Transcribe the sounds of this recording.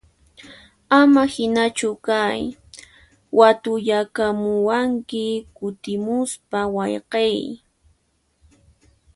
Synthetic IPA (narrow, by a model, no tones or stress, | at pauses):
amahɪnat͡ʃʊkaj | wat̪ʊʎakamʊwaŋkɪkʊt̪ɪmʊspawɑjqej